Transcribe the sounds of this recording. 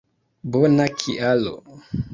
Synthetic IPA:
bonakʰiʔalo̰

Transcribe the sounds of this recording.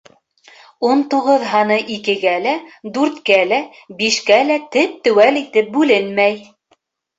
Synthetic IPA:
unt̪uʁɤðɦɑnɤʔikɘ̆ɡælæd̪ʉɾt̪kælæ | biʃkælæt̪ɘp̚t̪ɵ̆wælit̪ɘp̚bʉlɘnmæj

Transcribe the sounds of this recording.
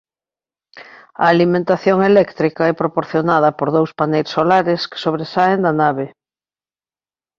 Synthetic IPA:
ɐ̰ːlimẽnt̪aθjoŋelɛkt̪ɾikɐɛpɾopoɾθjonað̞ɐpoɾðowspanejsolaɾeske̥soβ̞ɾesaend̪ɐnaβ̞e

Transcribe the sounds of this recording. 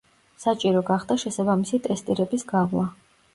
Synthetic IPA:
sat͡ʃʼiɾɔɡaχd̪aʃɛsabamisit̪ʼɛst̪ʼiɾɛbisɡaʁlˠa

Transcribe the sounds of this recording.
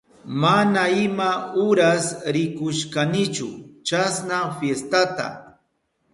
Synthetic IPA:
manaɪmaʊɾasɾɪkʊʃkanɪt͡ʃʊ̰t͡ʃasnafjest̪at̪a̰

